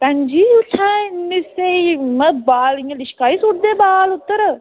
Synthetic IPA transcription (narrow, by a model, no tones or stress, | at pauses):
pɛ̃nd͡ʒiʊʈʰãːnːiseimə̃baːlijãlɪʃkaːisʊɽd̪eːbaːlʊt̪ːəɾ